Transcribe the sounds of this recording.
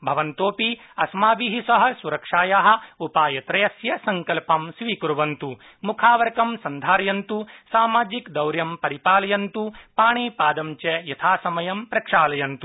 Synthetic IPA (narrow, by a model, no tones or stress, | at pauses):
bʱɐʋɐnt̪oːpi | ɐsmaːbiɦisɐɦɐ̆suɾɐkʂaːjaɦɐ̆upaːjɐt̪ɾɐjɐsjɐsɐŋkɐlpɐmsʋiːkuɾuʋɐnt̪u | mukʰaːʋɐɾkɐmsɐnd̪ʱaːɾjɐnt̪usaːmaːd͡ʒikd̪ɐwɾjɐmpɐɾipaːlɐjɐnt̪upaːɳiːpaːd̪ɐmt͡ʃejɐt̪ʰaːsɐmɐjɐmpɾɐkʂaːlɐjɐnt̪u